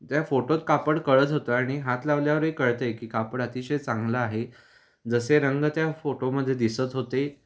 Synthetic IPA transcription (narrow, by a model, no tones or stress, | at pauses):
t̪jafoʈot̪kapəɽkəɭət̪ɦot̪əaɽ̃iɦat̪laʋljaʋəɾɦekəɭt̪əjkiːkapəɽət̪iɕəjt͡sãŋɡlaːɦe | d͡zəseɾəŋɡt̪jafoʈoməd̪ʱːjed̪isət͡sɦot̪e